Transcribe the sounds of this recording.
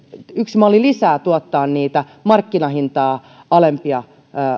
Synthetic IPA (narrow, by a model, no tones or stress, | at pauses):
yksmɑlilisæːt̪uɑt̪ːɑːnniːt̪æ | mɑrkːinɑhint̪ɑː | ɑlempiɑ